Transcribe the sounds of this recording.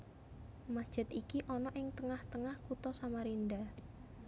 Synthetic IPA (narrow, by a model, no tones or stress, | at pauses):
mad̥ʒ̥ə̤t̪ikiʔɔnɔʔɪŋt̪əŋaht̪əŋahkut̪ɔsamaɾind̪a